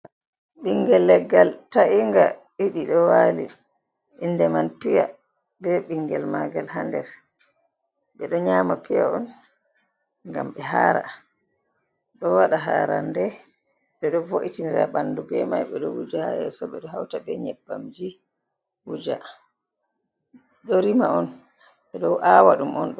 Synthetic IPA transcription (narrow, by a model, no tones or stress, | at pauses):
ɓiŋɡɛlːɛɡːaltaʔiŋɡa | iɗiɗɔwali | indɛmanpija | bɛɓiŋɡɛlmaɡalɦandɛɾ | ɓɛɗɔɲaːmapijaʔɔn | ŋɡamɓɛɦaːɾa | ɗɔwaɗaɦaːɾandɛ | ɓɛɗɔvoʔitiniɾabandubɛmajɓɛɗɔwud͡ʒahajɛ̰sɔɓɛɗɔɦawtabɛɲɛbːamd͡ʒi | wud͡ʒa | ɗɔɾimaɔn | ɓɛɗɔwʔawaɗumɔnɗɔ